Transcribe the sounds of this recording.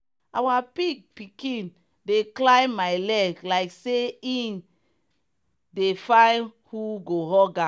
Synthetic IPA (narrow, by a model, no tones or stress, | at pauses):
awapiɡ̚pikĩn | deklãɪ̃maɪlɛɡlaɪkseĩn | defãnhuɡoɦɔɡa